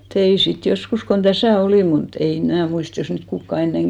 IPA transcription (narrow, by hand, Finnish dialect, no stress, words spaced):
tein̞ sit joskus kon d̥æsæˑ oliˑm mut ei mnæˑ muist jos niːt kukːɑ enːeŋ